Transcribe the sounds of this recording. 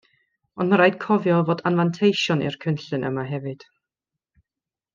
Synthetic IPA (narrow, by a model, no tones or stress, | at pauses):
ɔndmaɾajd̥kʰɔvjɔvoːdanvantʰejʃɔnɪ̰rkʰənɬɨnʔə̰maɦɛvɨd̥